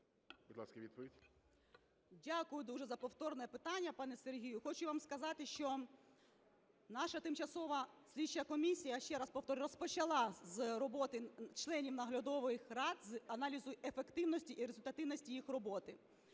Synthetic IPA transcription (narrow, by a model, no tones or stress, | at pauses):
bud̪ʲlˠɑskɐʋʲid̪̚pɔʋʲidʲ | dʲakʊjʊd̪uʒɛzɐpɔwt̪ɔrnɛpɪt̪ɑnʲːɐpɑnɛserɦʲijʊxɔt͡ʃʊʋɑmskɐzɑt̪ɪʃt͡ʃɔ | nɑʃɐt̪ɪmt͡ʃɐsɔʋɐsʲlʲit͡ʃːɐkɔmʲisʲijɐʃt͡ʃɛɾɑspɔwt̪ɔɾʲɾɔspɔt͡ʃɐlˠɑzɾɔbɔt̪ɪt͡ʃlˠɛnʲiwnɐɦlʲɐd̪ɔʋɔjɪxrɑd̪zɐnɑlʲizʊefekt̪ɪwnɔsʲtʲiʔiɾezʊlʲt̪ɐt̪ɪwnɔsʲtʲijixrɔbɔt̪ɪ